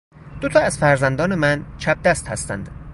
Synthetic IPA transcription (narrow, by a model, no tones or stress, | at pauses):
d̪̥ot̪ʰɒːæz̥fæɾzænd̪ɒːnemænt͡ʃʰæb̚d̪æst̪hæ̰st̪æ̰nd̪̥